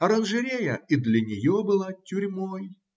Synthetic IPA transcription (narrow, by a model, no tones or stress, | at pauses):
ɐɾɐnʐɨɾʲejəid̪lʲɐnʲɪjobɨlˠatʲʊɾʲmoj